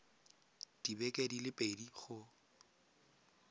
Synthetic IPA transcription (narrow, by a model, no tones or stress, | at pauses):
d̥ibɛkʼedilɪpʼediχʊ